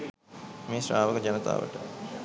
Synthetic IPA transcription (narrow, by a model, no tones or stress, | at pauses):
mesraːʋəkəd͡ʒanət̪a̰ːʋə̰ʈə